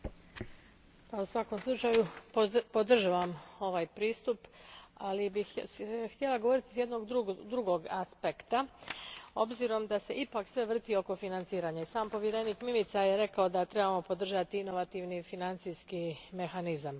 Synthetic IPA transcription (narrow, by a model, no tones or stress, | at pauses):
pausʋako̞mslˠut͡ʃajupod̪r̩ʒaʋamo̞ʋaːjpɾiːst̪upalibixt̪jelˠaɡo̞ʋo̞ɾit̪i̥sje̞d̪no̞ɡd̪ɾud̪ɾuɡo̞ɡaspekt̪a | o̞bziɾo̞md̪ase̞ʔipaːksʋe̞ʋr̩t̪io̞ko̞finant̪siːɾaːɲaisaːmpo̞ʋjeɾe̞niːkmimit̪sajeɾe̞kaod̪at̪ɾe̞bamo̞po̞d̪r̩ʒat̪iino̞ʋat̪iʋnifinant̪sijskime̞xanizam